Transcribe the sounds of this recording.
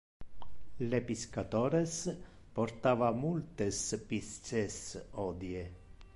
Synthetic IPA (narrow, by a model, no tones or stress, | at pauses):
lepiskat̪oɾes | poɾt̪avamult̪espist͡sesod̪je